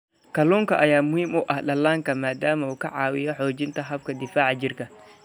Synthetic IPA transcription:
kɐlɔːŋkɐʔɐjaːmʊhimʊʔɐhɗɐlːaːŋkɐmaːd̪aːmɐukɐ̰ʕaːwɪjɔħɔːd͡ʒɪnt̪ɐɦɐb̚kɐd̪ɪfaːʕad͡ʒɪrkɐ

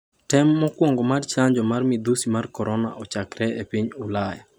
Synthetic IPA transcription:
tɛmːɔkwɔŋɡɔmart͡ʃaɲd͡ʒɔmarmɪd̪usimarkɔɾɔna̰ʔɔt͡ʃakɾɛepiɲulaja̰

